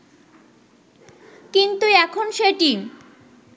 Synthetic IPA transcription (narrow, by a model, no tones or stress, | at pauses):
kint̪uɛkʰonʃeʈim